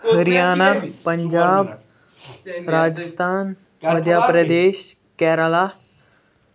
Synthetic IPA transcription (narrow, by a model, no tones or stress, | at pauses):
hɐɾijaːnapɐɲd͡ʒaːb | ɾaːd͡ʒəst̪ʰaːn | mɐd̪ʱjaːpɾɐd̪eːʃ | kɛːɾəlaː